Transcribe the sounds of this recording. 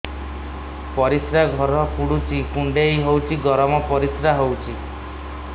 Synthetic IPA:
pɔɾisɾaɡʱɔɾɔkuɽut͡ʃʰikuɳɖejɦowt͡ʃʰiɡɔɾɔmɔpɔɾisɾaɦowt͡ʃʰi

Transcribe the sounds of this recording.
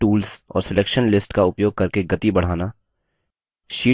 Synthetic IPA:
uːlsɔ̰ːɾsɪleːkʃənlɪsʈkaʊpjoːɡ̚kɐɾkeɡɐt̪ibɐɽ̤aːna | ʃiː

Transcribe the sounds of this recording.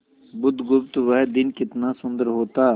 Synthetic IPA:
bʊd̪ɡʊpt̪ʋəɦd̪ɪnkɪt̪nasʊ̃nd̪əɾɦoːt̪aː

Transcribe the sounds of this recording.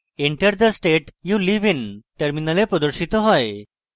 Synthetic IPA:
eɳʈəɾd̪əsʈeʈjuliʋinʈəɾminalepɾɔd̪oɾɕit̪ɔɦɔj

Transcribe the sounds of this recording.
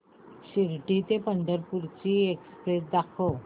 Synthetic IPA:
ɕiɾʈit̪epənd̪əɾpuɾt͡ɕiːekspɾesd̪akʰo

